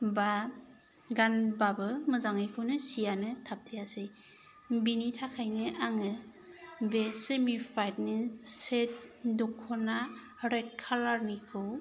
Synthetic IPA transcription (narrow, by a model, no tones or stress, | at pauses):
ba | ɡanbabɯmɯzaŋɯjkʰɯwnɯsijanɯtʰap̚tʰɯjasɯj | binitʰakʰajnɯʔaŋɯ | besɯmifʰajt̚nɯset̚dɔkʰːɔna | ɾet̚kʰalaɾnikʰɯw